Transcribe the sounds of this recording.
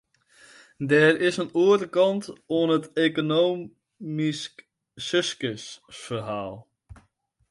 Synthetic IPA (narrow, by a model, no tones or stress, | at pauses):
dɛːrɪsənuətəkɑntoənɦəteːkonow | misk | sʏskəsfərɦaːlˠ